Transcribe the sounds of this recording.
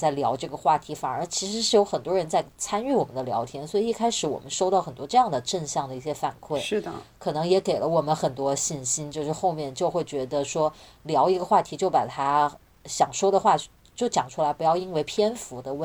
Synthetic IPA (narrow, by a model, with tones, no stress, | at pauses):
t͡sa˥˩ɪljɑ˧˥ʊʈ͡ʂɤ˥˩ɡə˩xwa˥˩t̪ʰi˧˥fa˨˩ə˞˧˥t͡ɕʰi˧˥ʂɻ̩˧˥ʂɻ̩˥˩jo˧˥ʊxə˨˩nt̪wɔ˥ɻə˧˥nt͡sa˥˩ɪt͡sʰa˥ny˥˩wɔ˨˩mə˦nd̪ə˧ljɑ̰˧˥ʊt̪ʰjɛ˧˥nswɔ˧˥i˧˥i˥˩kʰa˥ɪʂɻ̩˧˥wɔ̰˨˩mə˦nʂo˥ʊt̪ɑ˥˩ʊxə˨˩nt̪wɔ˥ʈ͡ʂɤ˥˧jɑ˥˩ŋd̪ə˩ʈ͡ʂə˥˧nɕjɑ˥˩ŋd̪ə˩i˥˩ɕjɛ˥fa˨˩nkʰwe˥˩ɪ˥˩d̪kʰɤ˨˩nɤ˧˥ŋjɛ˧˥ke˨˩ɪlə˦wɔ˨˩mə˦nxə˨˩nt̪wɔ˥ɕi˥˩nɕi˥nt͡ɕjo˥˧ʊʂɻ̩˥˧xo˥˧ʊmjɛ˥˧nt͡ɕjo˥˧ʊxwe˥˩ɪt͡ɕɥɛ˧˥d̪ə˧ʂwɔ˥ljɑ˧˥ʊi˧˥ɡə˧xwa˥˩t̪ʰi˧˥t͡ɕjo˥˩ʊpa̰˨˩t̪ʰa˥ | ɕjɑ˨˩ŋʂwɔ˥d̪ə˨xwa˥˧ | t͡ɕjo˥˩ʊt͡ɕjɑ˨˩ŋʈ͡ʂʰu˥la˧˥ɪpu˧˥jɑ˥˩ʊi˥nwe˥˩ɪpʰjɛ˥nfu˧˥d̪ə˧wə˥